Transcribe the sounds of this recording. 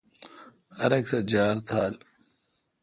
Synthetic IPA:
ɐɾɐksɐd͡ʑaːɾt̪ʰaːl

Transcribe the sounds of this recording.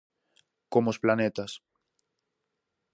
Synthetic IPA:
komosplanet̪as

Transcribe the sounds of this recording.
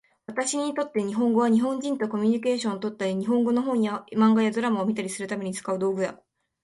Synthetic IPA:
βat̪aɕiɲ̟it̪o̞t̪ːe̞ɲ̟iɦõ̞ŋɡo̞β̞aɲ̟iɦõ̞ɲ̟d͡ʑĩnt̪o̞ko̞mʲiɲ̟ike̞ːɕõt̪o̞t̪ːaiɲ̟iɦõ̞ŋɡo̞no̞ɦo̞ːɲ̟iamãŋɡajad̪o̞ɾamaomʲit̪aɾʲisɨɾɯ̟t̪ame̞ɲ̟it͡sɨ̥kaɯ̟d̪o̞ːɡɯ̟ja̰

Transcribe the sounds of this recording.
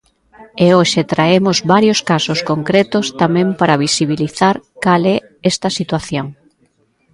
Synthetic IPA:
eoʃet̪ɾaemʊzβaɾjoskasoskoŋkɾet̪ʊst̪amɛ̃mpaɾɐβisiβiliθaɾkalɛ | ɛst̪ɐsit̪waθjoŋ

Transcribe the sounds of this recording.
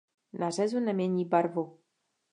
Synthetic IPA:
nar̝ɛzunɛmjɲɛɲiːbaɾvu

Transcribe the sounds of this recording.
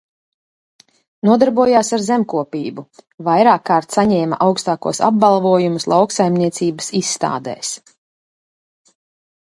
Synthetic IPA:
nuɔd̪aɾbuɔjaːsaɾzɛmkuɔpiːbuvajɾaːkːaːɾt̪saɲɛːmɐʔawkst̪aːkṵɔsa̰b̚balˠvuɔjumuslˠawksajmniɛt̪siːbəsisːt̪a̰ːd̪ɛ̰ːs

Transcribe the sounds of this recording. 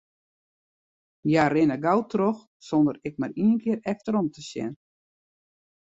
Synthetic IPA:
jarɪnəɡawtrox | sondəɾɪk̚mariːənkʰɪəɾɛftəɾɔmtʰəsjɛ̰n

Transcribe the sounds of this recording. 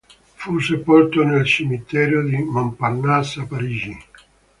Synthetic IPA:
fusepɔlt̪onelt͡ʃimit̪ɛːɾjod̪imampanːasapaɾiːd͡ʒi

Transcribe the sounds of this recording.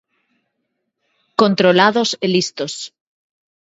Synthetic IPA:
kont̪ɾolaðoselist̪os

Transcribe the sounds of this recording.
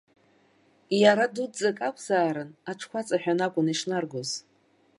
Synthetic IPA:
jaɾadudd͡zakʼakʷʰʼz̥aːɾɨnaʈ͡ʂʰkʷʰat͡sʼaħᶣanakʷʼʊniʂnarɡoz̥

